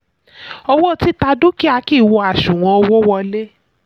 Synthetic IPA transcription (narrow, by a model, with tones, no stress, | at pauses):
ɔ˧wɔ˦˨ti˦ta˧du˦ki˦a˧ki˦˨wɔ˧a˨ʃũ˨w̃ɔ̃˨˧ɔ˧wɔ˦wɔ˧le˦